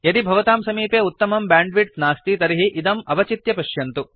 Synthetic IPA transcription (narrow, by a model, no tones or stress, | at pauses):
jɐd̪ibʱɐʋɐt̪aːmsɐmiːpeːut̪ːɐmɐmbaːɳɖʋiʈnaːst̪it̪ɐɾiɦiʔid̪ɐmɐbɐt͡ʃit̪jɐpɐʃjɐnt̪u